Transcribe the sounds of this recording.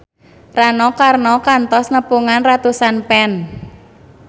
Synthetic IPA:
ranɔkarnɔkant̪ɔsnəpuŋanrat̪usanpɛn

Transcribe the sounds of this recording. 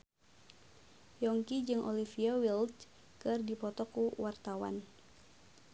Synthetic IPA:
jɔŋkid͡ʒɨŋʔɔ̰lifiawilt | kɨrdipɔt̪ɔkuwart̪awa̰n

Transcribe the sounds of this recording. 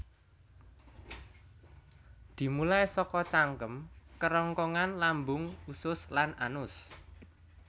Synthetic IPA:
d̪̥i̤mulajsɔkɔt͡ʃaŋkəmkəɾɔŋkɔŋanlambʊŋusʊslanʔa̰nʊs

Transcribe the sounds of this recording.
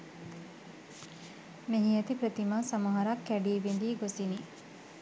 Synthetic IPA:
meɦiɐt̪ipɾət̪imaːsɐmɐɦɐɾakːæɖiːʋindiːɡosini

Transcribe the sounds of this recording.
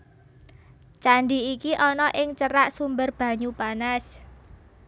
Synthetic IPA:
t͡ʃaɳɖiikiʔɔnɔʔɪŋt͡ʃəɾaʔsumbərb̥a̤ɲub̥anas

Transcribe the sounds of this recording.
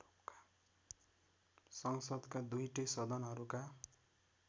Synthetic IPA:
ukḁ | sʌŋsʌd̪kad̪ujʈʌjsʌd̪ʌnɦʌɾuka

